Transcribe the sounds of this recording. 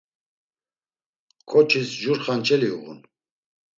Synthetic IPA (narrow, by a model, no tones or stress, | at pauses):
kʼɔt͡ʃʰisʒuɾχant͡ʃʰɛliṵʁṵn